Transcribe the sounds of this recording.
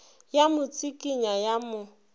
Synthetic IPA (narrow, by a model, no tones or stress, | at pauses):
jamʊt͡sʼikʼiɲajamʊ